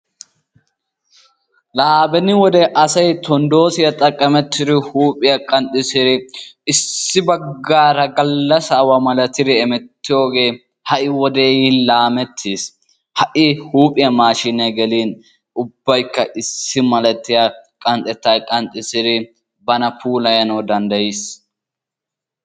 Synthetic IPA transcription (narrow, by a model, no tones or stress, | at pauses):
laːbɛnɪwɔd̪ɛʔɐsɐjt̪ɔnd̪o̞ːsɪjɐt̪ʼɐkʼːɐmɛt̪ːɪd̪ɪhuːpʼɪjɐkʼɐnt̪ʼːɪsɪɾɪɪsːɪbɐɡɡːaːɾɐɡɐlːɐsɐwɐmɐlɐt̪ɪd̪ɪɛmɛt̪ːɪjo̞ːɡe̞ː | hɐʔɪwɔd̪eːnlaːmɛt̪ʰːiːs | hɐʔɪhuːpʼɪjɐmaːʃɪnɐɡɛliːn | ʔʊbːɐjkːɐʔɪsːɪmɐlɛt̪ːɪjɐkʼɐnt̪ʼɛt̪ːaːjkʼɐnt̪ʼːɪsɪd̪ɪ | bɐnɐpʰuːlɐjɐnɐwd̪ɐnd̪ɐjis